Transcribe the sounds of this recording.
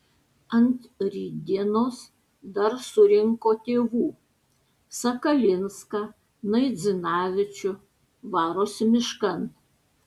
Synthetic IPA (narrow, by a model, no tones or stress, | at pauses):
ɐnt̪ɾʲiːd̪ʲinoːs | d̪ɐɾsʊɾʲɪŋkoːt̪ʲeːʋuː | sɐkɐlʲɪnskɑ | nɐɪd̪zʲɨnɑːʋʲɪt͡ʃʲʊ | ʋɑːɾoːsʲmʲɪʃkɐnt̪